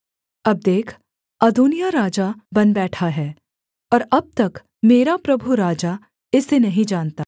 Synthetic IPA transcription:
ɐb̚d̪eːkʰ | ɐd̪uːnijaɾaːd͡ʒabɐnbɛːʈʰaɦɛː | ɔːɾɐb̚t̪ɐk | meːɾapɾɐbʱuɾaːd͡ʒa | ɪsːenɐɦĩd͡ʒaːnt̪aː

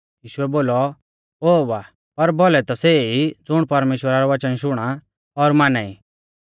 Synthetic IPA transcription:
jiːʃʊɛboːlɔ | oːbaː | pɐɾbɔlɛt̪ɔseid͡zʊɽ̃pɐɾmeːʃwəɾaɾɔʋɐt͡ʃənʃʊɽ̃a | ɔɾmaːnaːi

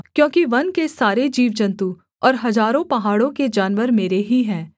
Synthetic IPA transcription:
kjõːkiʋɐnkesaːɾed͡ʒiːʋd͡ʒɐ̃nt̪u | ɔːɾɦɐzaːɾõpɐɦaːɽõked͡ʒaːnʋəɾmeːɾeɦiɦɛ̃ː

